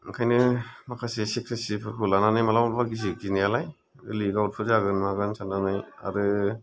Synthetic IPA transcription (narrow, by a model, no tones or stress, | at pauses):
kʰajnɯmakʰasesikʰɾisipʰɯɾkʰɯlananɯjmalawlbaɡiziɡinijalaj | ɯliɡawt̚pʰɯɾzaɡɯnmaɡɯnsananɯja̰ɾɯ